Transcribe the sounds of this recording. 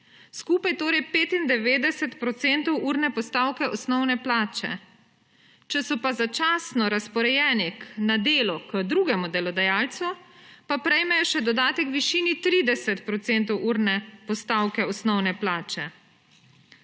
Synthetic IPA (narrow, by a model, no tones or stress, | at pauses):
skuːpajt̪oːɾɛjpeːt̪ind̪ɛʋeːd̪ɛsɛt̪pɾɔt̪sent̪ɔwʔuɾnɛpɔst̪awkɛʔɔsnɔwnɛplaːt͡ʃɛ̰ | t͡ʃɛsɔpazat͡ʃaːsnɔɾaspɔɾɛjɛːnɛknad̪eːlɔkəd̪ɾuːɡɛmud̪ɛlɔd̪ajaːlt̪supapɾɛjmɛjɔʃɛd̪ɔd̪aːt̪ɛkʋiʃiːnit̪ɾiːd̪ɛsɛt̪pɾɔt̪sent̪ɔwʔuːɾnɛpɔst̪aːwkɛɔsnɔwnɛplaːt͡ʃɛ